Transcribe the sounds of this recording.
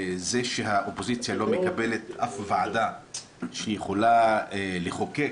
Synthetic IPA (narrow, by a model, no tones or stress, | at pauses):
zeʃeɦaʔopo̞zit͡sjalo̞mekabe̞le̞t̪ʔafvaʕad̪a | ʃejeχo̞laleχo̞ke